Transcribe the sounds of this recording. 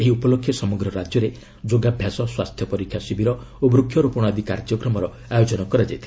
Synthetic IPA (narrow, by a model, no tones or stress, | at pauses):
eɦiupɔlokʰːjɔsɔmɔɡɾɔɾad͡ʒjɔɾe | d͡ʒoɡabʱjasɔswast̪ʰjɔpɔɾikʰjasibiɾɔ | obɾukʰjɔɾupɔɽ̃ad̪ikaɾd͡ʒjɔkɾɔmɔɾɔ | ajod͡ʒɔnɔkɔɾad͡ʒajt̪ʰil